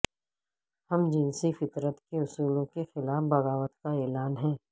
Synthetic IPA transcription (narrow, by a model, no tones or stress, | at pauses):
hɐmd͡ʒɪnsifɪt̪ɾət̪keʊsuːlõkexɪlaːfbɐɣaːʋət̪kaɛːlaːnɦɛ̃ː